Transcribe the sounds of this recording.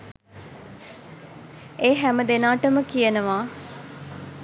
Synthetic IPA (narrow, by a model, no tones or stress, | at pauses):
eːɦæməd̪enaːʈəməkijənəʋaː